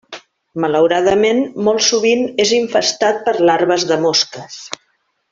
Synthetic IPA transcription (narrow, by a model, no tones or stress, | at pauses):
mələwɾaðəmenmɔlˠsuβineziɱfəst̪at̪̚pəɾlaɾβəzðəmɔskəs